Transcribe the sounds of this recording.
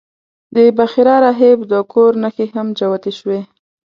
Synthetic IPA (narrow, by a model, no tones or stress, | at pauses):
d̪əbaxiɾɑɾaɦebd̪əkoɾnaxeɦamd͡ʒawat̪eʃwe